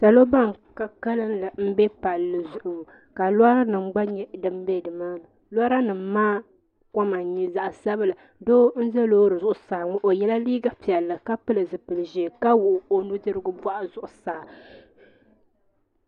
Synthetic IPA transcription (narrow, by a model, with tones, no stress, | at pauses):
sa˨lo˦ba˦ŋ | ka˨ka˦lɨ˦nla˨m̩˦bɛ˦pa˨lːɨ˨zʊ˨ʔʊ˨m˨ | ka˨la˦ɾa˦nɨ˨m˦ɡ͡ba˦ɲɛ˦dɨ˦m˦bɛ˦˨dɨ˨maː˦ma˨ | la˦ɾa˦nɨ˨m˦maː˦ | ka˦ma˨ɲi˦za˨ʔsa˦bɨ˦lɨ˨ | doː˦n̩˦zɛ˦loː˦ɾɨ˨zʊ˦ʔʊ˨saː˨ŋʊ˦ʔo˨jɛ˦la˦liː˦ɡa˦pi˨ɛ˨lːɨ˨ka˦pɨ˦lɨ˨zɨ˨pɨ˨lɨ˨ʒe˨ka˦wʊ˨ʔʊ˨o˨nu˦dɨ˦ɾɨ˦ɡʊ˦ba˦ʔa˨zʊ˨ʔʊ˨saː˨